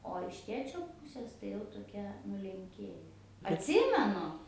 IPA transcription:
oː ɪʃ ˈtʲeːt͡ʃʲoː ˈpʊsʲeːs tɐɪ jɛʊ toːˈkʲɛ nʊlʲɛŋʲˈkʲeːjɛ ɐtʲˈsʲɪmʲɛnʊ

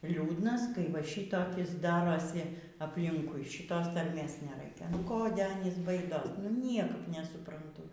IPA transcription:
ˈlʲuːdnɐs kɐɪ ʋɐ ˈʃʲiːtoːkʲɪs ˈdɑːroːsʲɪ ɐpʲˈlʲɪŋkʊɪ ʃʲɪˈtoːs tɐrʲˈmʲeːs nʲɛˈrɐɪkʲɛ nʊ ˈkoːdʲɛ ˈɑːnʲiːs ˈbɐɪdoːs nʊ ˈnʲiɛkɐp nʲɛsʊprɐnˈtʊ

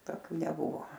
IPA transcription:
toːˈkʲuː nʲɛˈbʊʋoː

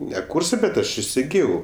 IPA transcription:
nʲɛ ˈkuːrsɜ bʲɛt ˈɐʃ ɪsʲɪˈɡʲɪjɛʊ

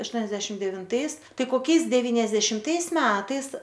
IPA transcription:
ɐʃˈtuɔnʲɛzʲdʲɛʃʲɪm dʲɛʋʲɪnˈtɐɪs ˈtɐɪ koːˈkʲɛɪs dʲɛʋʲɪnʲɛzʲdʲɛʃʲɪmˈtɐɪs ˈmʲæːtɐɪs

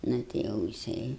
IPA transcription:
ˈnʊ tʲɪ ˈjɛʊ jɪˈsɐɪ

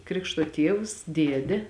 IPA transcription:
ˈkrʲɪkʃtoː ˈtʲiɛws ˈdʲiɛdʲɛ

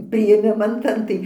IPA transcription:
pʲrʲɪeːˈmʲɪmɐn ˈtɐn tɐɪ

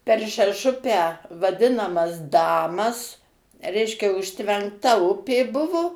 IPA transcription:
pʲɛr ʃʲɛˈʃʊpʲæː ʋɐˈdʲɪnɐmɐs ˈdɑːmɐs ˈrʲɛɪʃʲkʲɛ ʊʃʲtʲʋʲɛŋkˈtɐ ˈʊpʲeː ˈbʊʋʊ

